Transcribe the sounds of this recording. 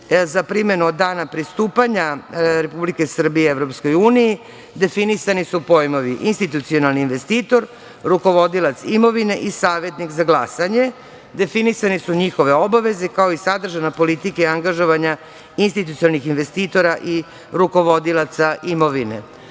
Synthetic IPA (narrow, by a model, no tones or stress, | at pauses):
zapɾime̞nuod̪dːaːnapɾist̪uːpaɲaɾe̞publikesr̩bijeevɾopsko̞juːniji | d̪e̞finisanisupo̞jmo̞ʋiʔinst̪it̪ut̪sio̞nalniːnʋe̞st̪iːt̪o̞ɾ | ɾuko̞ʋo̞d̪ilat̪simo̞ʋine̞ʔisaːʋe̞t̪nikzaɡlˠasaɲe̞ | d̪e̞finisanisuɲixo̞ʋe̞o̞baʋe̞zekaoisad̪r̩ʒanapo̞lit̪ikaiaŋɡaʒo̞ʋaɲa | inst̪it̪ut̪sialnixinʋe̞st̪iːt̪o̞ɾaʔi | ɾuko̞ʋo̞d̪ilˠat̪saʔimo̞ʋinḛ